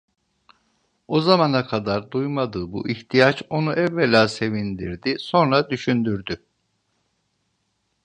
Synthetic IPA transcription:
ozamanakʰad̪aɾd̪ujmad̪ɯːbṵʔiçt̪ʰijat͡ʃo̞nuʔɛvːelʲaːse̞vind̪iɾd̪iso̞nɾad̪yʃynd̪yɾd̪y

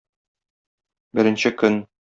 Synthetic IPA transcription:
bɘ̆ɾɘ̆nɕɘkɵn

